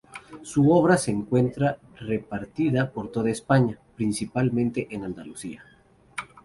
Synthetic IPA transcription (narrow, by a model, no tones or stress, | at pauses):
suo̞β̞ɾase̞ːŋkwe̞nt̪ɾa | re̞paɾt̪iðapo̞ɾt̪o̞ð̞aespaɲapɾinsipalmẽ̞nt̪e̞ʔenand̪alusia